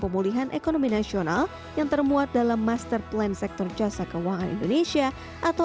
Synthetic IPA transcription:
pəmuliɦanʔekonominasional | jaŋt̪ərmuat̪̚dalamːast̪ərplɛnsɛk̚t̪ɔrd͡ʒasakəwaŋanḭndonesia | ʔat̪a

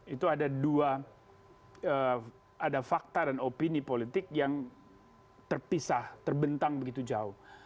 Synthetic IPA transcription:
it̪uadadua | ə | adafak̚t̪adanopinipolit̪ɪkjaŋ | t̪ərpisaht̪ərbənt̪aŋbəɡit̪ud͡ʒaʊh

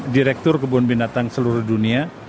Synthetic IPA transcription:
diɾɛk̚t̪ʊrkəbuanbinat̪aŋsəluɾʊhdunia

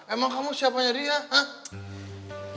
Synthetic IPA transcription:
ɛmaŋkamusiapaɲaɾiaha

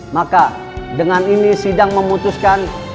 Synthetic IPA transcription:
maka | dəŋaninisidaŋməmut̪uskan

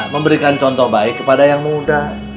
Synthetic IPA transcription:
məmbəɾikant͡ʃɔnt̪ɔhbaɪkːəpadajaŋmudah

